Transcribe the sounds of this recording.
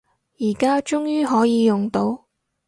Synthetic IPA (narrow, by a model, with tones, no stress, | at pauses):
jiː˨˩kaː˥t͡ʃʊ˥ŋjyː˥ɦɔː˨˥jiː˨˧jʊ˨ŋt̪o˨˥w